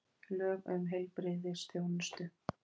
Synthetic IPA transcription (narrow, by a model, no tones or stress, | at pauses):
lœːɣœ̰mɦejlpɾɪðɪ̥st̪joːwnɪst̪ʏ